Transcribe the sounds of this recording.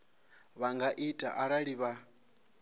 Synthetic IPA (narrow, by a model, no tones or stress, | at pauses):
βaŋɡaʔitʼaʔaɺaɺiβa